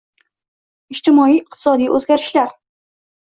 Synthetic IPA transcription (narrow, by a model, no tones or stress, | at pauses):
ɪd͡ʒt̪ɪmɒijɪq̚t̪ʰɪ̥sɒd̪ijʔɵzɡʲaɾɪʃlaɾ